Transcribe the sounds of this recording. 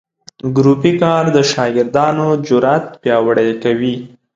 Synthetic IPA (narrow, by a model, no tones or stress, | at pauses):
ɡɾupikɑɾd̪əʃɑɡɪɾd̪ɑnod͡ʒʊɾat̪pjɑwəɽajkawi